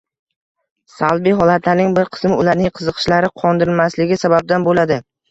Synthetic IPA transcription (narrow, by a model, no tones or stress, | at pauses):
salbijɦɒlat̪ʰlanɪŋbɪɾqʰɨ̥smɪʊlaɾnɪŋqʰɨzɨqʰɨ̥ʃlaɾɪqʰɒnd̪ɪɾɪlmaslɪɡʲɪsabab̚d̪anbolad̪ɪ